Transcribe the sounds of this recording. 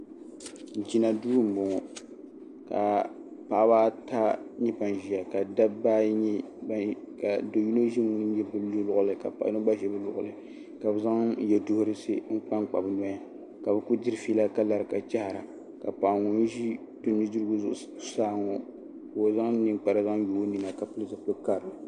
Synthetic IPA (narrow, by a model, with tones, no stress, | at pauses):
d͡ʒi˦na˨duː˦m̩˨bʊ˨ŋɔ˨ | ka̰˨pa˨˦baː˦ta˦ɲɛ˦pa˨n˨ʒi˨a˨ka˨da˦bba˦ɲ˦ | b | ka˨do˨ji˦no˦ʒi˦ŋu˦n˦jɛ˦bɨ˦llʊ˦˨ʔʊ˦lɨ˨ka̰˨pa̰˨ʔno˦ɡ͡ba˦ʒɛ˨˦bɨ˦lʊ̰˦˨ʔʊ̰˨lɨ˨ | ka˨bɨ˨za˦ŋ˦jɛ˨dʊ˦hʊ˦ɾɨ˦sɨ˦ŋ̩˦k͡pa˦ŋk͡pa̰˨bnɔ˦ja˦ | ka˨bɨ˨ku˦di˦ɾɨ˦fiː˦la˦ka˦la˨ɾɨ˨ka˨t͡ʃa˦ha˨ɾa˨ | ka˨pa˨ŋu˦n˦ʒi˦ | d̥o˨ɲi˦du˦ɾɨ˦ɡu˦zʊ˨ʔʊ˨˦saː˦ŋɔ˦ | ko˨za˦ŋ˦nɨ˨ŋk͡pa˨ɾa˨za˦ŋ˦jo˨˦ni˨na˨ka˨pɨ˦ɨ˦zɨ˨plɨ˦ka˦ɾɨ˨